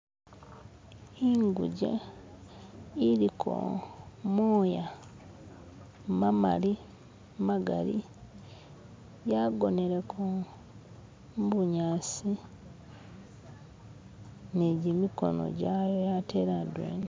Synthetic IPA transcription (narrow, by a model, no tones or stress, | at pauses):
iŋɡṵɟḛ | iɾikʰo̰moːja | mama̰li | maɡa̰ɾḭ | jaɡo̞ne̞ɾekʰo | mbuɲaːsi | neɟimiko̞̰no̞̰ɟajojateɾadwḛːni